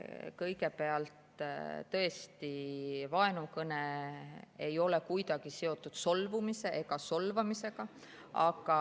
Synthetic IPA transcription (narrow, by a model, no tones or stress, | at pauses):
kɤjɡe̞pe̞ɑlt̪t̪ɤ̞e̞st̪ivɑe̞nukɤne | e̞jo̞le̞kujd̪ɑɡ̥iseo̞t̪ˑːud̪̥so̞lvumise̞ʔeɡ̥ɑso̞lvɑmise̞ɡ̥ɑ | ɑ̰ɡɑ